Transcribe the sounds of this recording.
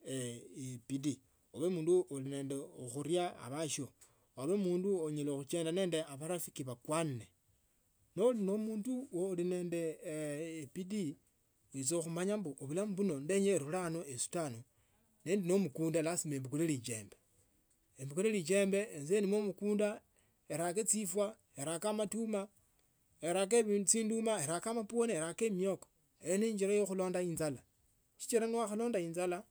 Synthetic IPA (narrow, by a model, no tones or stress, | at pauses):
eepidi | oβemuːnduoline̞ːndeoxuɾjaa̰βaʃjo | aβemuːnduoɲelexut͡ʃeːndane̞ːnde̞aβaɾafikiβakwanne | nolinomuːnduwoline̞ːnde̞ː | pidi | oit͡soxumaɲambuʔoβulamuβuno̞ndeɲeɾulanoesu̥tano | neːndino̞mukuːndalasimeːmbikulelit͡ʃe̞̰ːmbe | embikulelit͡ʃe̞mbe̞ːnzenimomukuːnda | eɾaket͡sifwa | eɾakamatuma | eɾak̬eβit͡siːndumaeɾakamaponeeɾakemioko̥ | ejneɲd͡ʒiɾajoxuloːndainzala | ʃi̥t͡ʃiɾanwaxalo̞ːndaiːnzala